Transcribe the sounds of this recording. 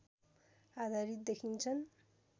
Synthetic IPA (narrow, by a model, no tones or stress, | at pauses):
ad̪ʱaɾit̪̚d̪ekʰint͡sʰʌn